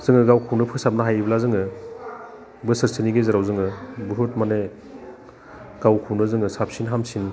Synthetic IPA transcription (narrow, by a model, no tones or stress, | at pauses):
z̥ɯŋɯɡawkʰuwnɯpʰɯsap̚naɦajblazɯŋɯ | bɯsɯɾsiniɡezaɾawzɯŋɯbɯɦut̚mane | ɡ̥awkʰuwnɯzɯŋɯsapsinɦamsin